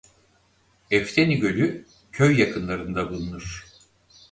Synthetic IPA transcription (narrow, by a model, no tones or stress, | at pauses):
ɛft̪ʰeniɟø̞lʲy | cʰøjːakʰɯnlˠaɾɯnd̪abulˠunuɾ̥